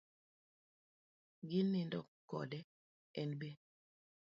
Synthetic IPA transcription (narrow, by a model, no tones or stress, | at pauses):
ɡɪnːɪndɔkkːɔ̰dɛ | ɛnbe